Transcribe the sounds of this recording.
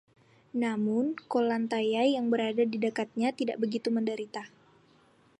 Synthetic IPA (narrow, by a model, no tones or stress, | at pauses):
namʊnkolant̪ajajaŋbəɾadadidəkat̪̚ɲat̪ida̰ʔbəɡit̪uməndəɾit̪a